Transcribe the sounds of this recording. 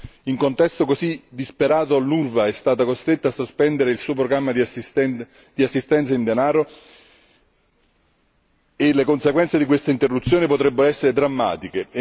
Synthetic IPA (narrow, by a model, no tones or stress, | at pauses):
iŋkont̪ɛst̪okosid̪ːispeɾaːt̪oalːurvaɛst̪aːt̪akost̪ɾet̪ːasːospɛnd̪eɾeilsuːop̬ɾoɡɾamːad̪ | d̪̥iasːist̪ɛnt̪saind̪enaːɾo | elekonseɡwɛnt̪sed̪ikwest̪eint̪erːut̪sːjoːnipot̪ɾɛbːeɾoɛsːeɾed̪ɾamːa̰ːt̪ike